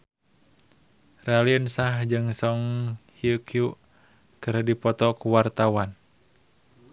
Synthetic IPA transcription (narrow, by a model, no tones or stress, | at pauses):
raliənsahd͡ʒɨŋsɔŋhiukju | kɨrdipɔt̪ɔkuwart̪awan